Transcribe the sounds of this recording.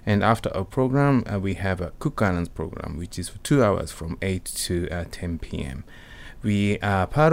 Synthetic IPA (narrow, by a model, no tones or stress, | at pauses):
ɨ̃næftə̰˞ʔəpʰɹ̥oʊɡɹæ̃mwiɨvəkʰuk̚alə̃nz̥pʰɹ̥oʊɡɹæ̰̃mwɨt͡ʃɨz̥fətʰʉaʊə̰˞z̥fɹʌ̃meɪtʰːɨtʰɛ̃npʰiɛ̰̃m | wipʰaɾ